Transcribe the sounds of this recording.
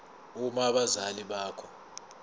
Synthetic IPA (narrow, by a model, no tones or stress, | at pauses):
umaɓazaliɓaːkʰɔ